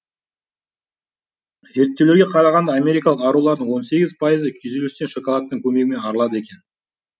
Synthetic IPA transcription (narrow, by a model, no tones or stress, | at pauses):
ze̞ɾt̪ːewleɾɡʲe̞qʰɑɾɑʁɑnd̪ɑːmʲe̞ɾijkɑlˠəqɑɾulˠɑɾd̪əɴwo̞nse̞ɡʲɪz̥pʰajəzəkʲʰyzelest̪e̞nʃo̞kolˠɑt̪ːəŋkʲʰɵme̞ɡʲɪme̞nɑɾəlˠɑd̪əe̞kʲe̞n